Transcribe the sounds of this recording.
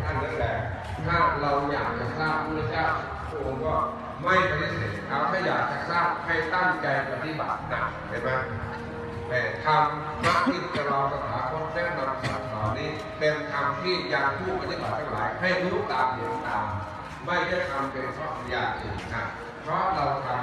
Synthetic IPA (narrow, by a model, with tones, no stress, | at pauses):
k̪ʰa˧nda˧nlɛː˨˩ | t̪ʰaː˥˩ɾa˧wja̰ː˨˩k̚t͡ɕa˨˩saː˥˩p̚ːu˧˩˨i˧˩t͡ɕʰaː˥˩t̪̚ | pʰɾɔ˦˥ʔo˧ŋkɔː˥˩ | ma˥˩jpʰa˧da˦˧˩se˨˩˦t̪̚kʰa˦˧˩t̪ʰaː˥˩jaː˨˩k̚t͡ɕa˨˩saː˥˩p̚ha˥˩jt̪a˥˩ŋt͡ɕa˧jpa˧˩t̪ʰi˧˩ba˨˩t̪̚na˧˩ | a˧˩ma˦˥˩ | ma˧˥˩t̪ʰa˧m | na˦˥i˨˩t̪̚ka˧lɔː˧ŋsa˧˩t̪ʰaː˨˩˦kʰɔ˧˥˩nt͡ɕɛː˥˩ŋda˧m˧˩saː˨˩˦sʰaː˨˦wniː˦˥ | pe˧nk̪ʰa˧mpʰiː˥˩t̪̚jaː˨˧˩ŋpʰuː˥˩pa˧t̪i˧˥ba˨˩t̪̚ʰːa˦˧ŋla̰ː˨˦jɦa˥˩jlu˦˥˨k̪aː˨˩p̚hi˨˦ənt̪aː˨˧m | ma˥˩jda˥˩jt̪ʰa˧mpe˧nkʰɔː˧˩˧jaː˧˩t̪̚ʔɯ̰˨˩nʰa˧˥ | pʰɾɔ˦˥ɾa˧wt̪ʰa˧m